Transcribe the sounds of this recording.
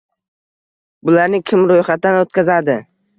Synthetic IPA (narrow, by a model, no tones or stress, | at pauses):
bʊlaɾnɪkʲʰɪmɾojχat̪̚d̪anot̪̚kʲazad̪ɪ